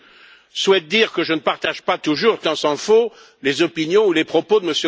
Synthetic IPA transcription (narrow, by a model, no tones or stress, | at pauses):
swɛt̪̚d̪iʁkəʒənəpaʁt̪aʒpat̪uʒuʁt̪ɑ̃sɑ̃fo | lezɔpinjɔ̃ulepχɔpod̪əməsjø